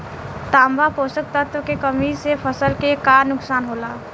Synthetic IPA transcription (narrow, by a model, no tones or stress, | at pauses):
t̪ambaposək̚t̪ət̪ʋkekəmisepʰəsəlkekanuksanɦola